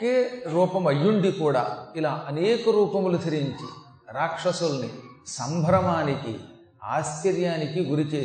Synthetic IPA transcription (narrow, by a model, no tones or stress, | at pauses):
keːɾuːpɐmɐjːuɳɖikuːɽa̰ːilaːʔɐneːkɐɾuːpɐmlut̪ʰɐɾiɲt͡ʃḭ | ɾaːkʂɐsulɐni | sɐmbʱɐɾɐmaːnikḭ | a̰ːskɐɾjaːnikiɡuɾit͡ʃeː